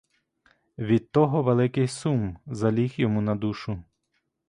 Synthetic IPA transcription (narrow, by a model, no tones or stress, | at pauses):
ʋʲid̪̚t̪ɔɦɔʋelˠɪkɪjsumzɐlʲixjɔmunɐd̪uʃʊ